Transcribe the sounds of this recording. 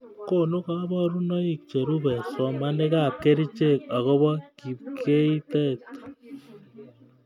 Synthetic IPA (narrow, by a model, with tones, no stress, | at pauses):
ko˦˨nu˦ka˦bɔ˦ɾu˦nɔ˦i˨k̚t͡ʃe˨ɾu˦bɛ˨sɔ˨ma˦ne˦ka˦˨p̚ke˦ɾi˦t͡ʃe˦˨ka˨ɣo˦βɔ˦ki˨p̚kʰe˦i˦tɛ˦kt